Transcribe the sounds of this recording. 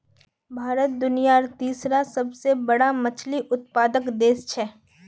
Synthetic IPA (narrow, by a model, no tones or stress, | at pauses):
bʱaːɾət̪̚d̪ʊnijaɾt̪iːsɾasɐbsebɐɽamɐt͡ʃʰliʔʊt̪̚paːd̪əkd̪eːst͡ʃʰɛː